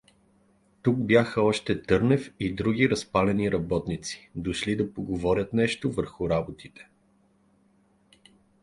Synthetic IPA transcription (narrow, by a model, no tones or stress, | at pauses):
t̪ukbjaxəɔʃt̪ɛt̪ɤɾnɛfid̪ɾuɡiɾɐspalɛniɾɐbɔt̪nit̪si̥d̪oʃlid̪ɐpoɡovɔɾʲət̪nɛʃt̪ovəɾxʊɾabot̪it̪ɛ̥